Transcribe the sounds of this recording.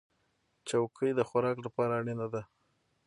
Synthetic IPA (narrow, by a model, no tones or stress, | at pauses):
t͡ʃawkʰəjd̪əxaɾɑklapɑɾaːɽenad̪a